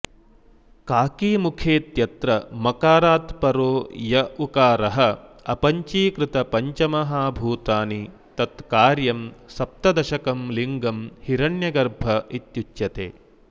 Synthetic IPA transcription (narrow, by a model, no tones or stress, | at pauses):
kaːkiːmukʰeːt̪jɐt̪ɾɐmɐkaːɾaːt̪pɐɾoːjɐukaːɾɐɦɐɐpɐɲt͡ʃiːkɾɪt̪ɐpɐɲt͡ʃɐmɐɦaːbʱuːt̪aːni | t̪ɐt̪kaːɾjɐmsɐp̚t̪ɐd̪ɐʃɐkɐmliŋɡɐmhiɾɐɳjɐɡɐɾbʱɐit̪jut͡ʃjɐt̪ḛː